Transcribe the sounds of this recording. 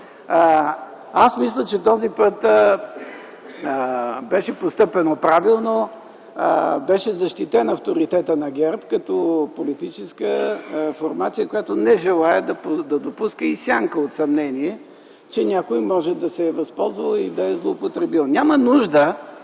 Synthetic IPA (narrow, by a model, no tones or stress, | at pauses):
asmislʲət͡ʃɛt̪ɔzipət̪ | bɛʃɛpost̪ɤpɛnopɾavilˠno | bɛʃɛzɐʃt̪it̪ɛnɐft̪oɾit̪ɛt̪ənɐɡʲɛɾpkɐt̪ɔpolit̪it͡ʃɛskəfoɾmat̪sijəkojat̪onɛʒɛlˠaɛd̪ɐd̪ɐd̪opuskəisʲjaŋkəot̪sɐmnɛniɛ | t͡ʃɛnʲakojmɔʒɛd̪ɐsɛvɐspɔlˠzvəlˠid̪ɐɛzlˠopot̪ɾɛbilˠnʲamənuʒd̪ə